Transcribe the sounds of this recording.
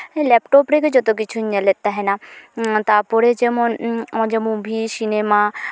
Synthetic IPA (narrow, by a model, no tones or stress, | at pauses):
ẽlɛpʈoːpɾeked͡ʒot̪ok̬ɪt͡ʃʰuɲãlet̪aɦɛnat̪apoɾed͡ʒemõnõd͡ʒemũbʱisinema